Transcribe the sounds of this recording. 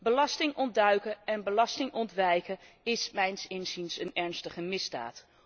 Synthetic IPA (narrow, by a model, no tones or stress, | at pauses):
bəlɑstɪŋʔɔndœɥkəɛnbəlɑstɪŋʔɔntʋɛjkə | ɪsmɛjnsɪnzinsənɛɹnstəχəmɪzda̰ːt